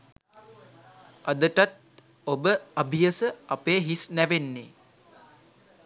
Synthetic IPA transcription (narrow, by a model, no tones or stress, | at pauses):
ad̪əʈat̪̚ | obəabʱijəsəapeːɦisnæʋenːe